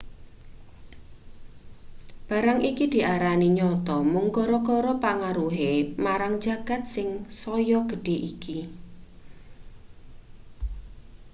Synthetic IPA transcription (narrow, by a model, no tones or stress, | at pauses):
b̥ä̤ɾaŋʔikid̪̥i̤ʔaɾaniɲɔt̪ɔmʊŋkɔɾɔkɔɾɔpaŋaɾuɦemaɾaŋ̥d͡ʒä̤ɡ̥a̤t̪̚sɪŋsɔjɔɡ̥ə̤ɖ̥e̤ʔiki